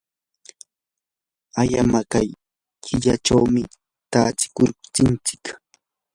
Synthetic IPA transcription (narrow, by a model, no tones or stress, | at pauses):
aʎamakaj | kʰɪʎaʈ͡ʂawmɪ | t̪at͡sɪ̥kʊɾt͡sɪnt͡sɪ̥k